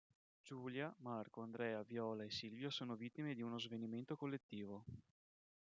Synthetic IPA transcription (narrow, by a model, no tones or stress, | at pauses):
d͡ʒuːljamarkoand̪ɾɛːavjɔːlaesilvjasoːnovit̪ːimed̪iunozveniment̪okolːet̪ːiːvo